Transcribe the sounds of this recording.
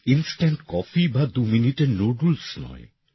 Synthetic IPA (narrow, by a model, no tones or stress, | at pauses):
insʈeɳʈkɔfibad̪uminiʈeɾnoɖulsnɔ̰e